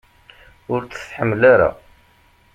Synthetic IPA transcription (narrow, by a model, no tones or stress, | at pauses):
ʊɾt͡sə̥θħəmːlaɾa̰